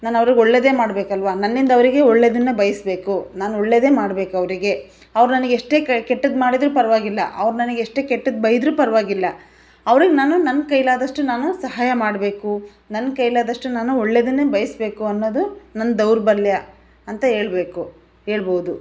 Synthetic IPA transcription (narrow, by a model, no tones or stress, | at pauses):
naːnɐʋɐɾiɡɔɭːe̞ːd̪eːmaːɽbe̞ːkɐlʋaːnɐnːind̪ɐʋɾiɡe̞ɔɭːe̞d̪inːebɐjɐsbe̞ːkunaːnoɭːeːd̪e̞ːmaːɽbe̞ːkuɐʋɐɾiɡe̞ | ɐʋɐɾunɐnɐɡeeʂʈe̞ːkkeʈːɐd̪maːɽid̪ɾuːpɐɾʋaːɡilːɐ̰ʔɐ̰ʋɾunɐnɐɡeeʂʈe̞ːkeʈːɐd̪bɐjid̪ɾuːpɐɾʋaːɡilːɐ | ɐʋɐɾiɡenaːnunɐnkɐjlaːd̪ɐʂʈunaːnusɐɦaːjɐmaːɽbe̞ːku | nɐnkɐjlaːd̪ɐʂʈunaːnuoɭːe̞d̪inːebɐjɐsbe̞ːkuɐnːoːd̪unɐnːd̪ɐwɾbɐɾljɐ | ɐnt̪ɐɦe̞ːɭbe̞ːku | e̞ːɭboud̪u